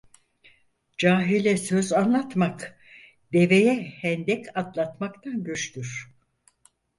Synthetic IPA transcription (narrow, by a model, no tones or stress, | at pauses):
d͡ʒaːɦilʲɛsøzanlˠat̪mak | d̪e̞vejɛhɛnd̪ɛcʰat̪lˠat̪makt̪ʰanɟyt͡ʃt̪ʰyɾ̥